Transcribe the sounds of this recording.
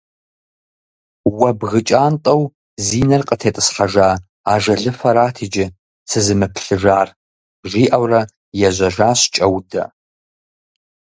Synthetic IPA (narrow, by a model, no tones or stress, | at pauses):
wɐbɣɨt͡ʃʼaːntʼɐw | ziːnɐrqʼətʰeːtʼɨsħaʒaː | aːʒɐɮɨfɐɾaːtʰid͡ʒɪ | sʰɨzɨmɨpʰɬɨʐaːr | ʒʷiːʔɐwrɐ | jɛʒʷɐʒaːɕt͡ʃʼɐwdɐ̰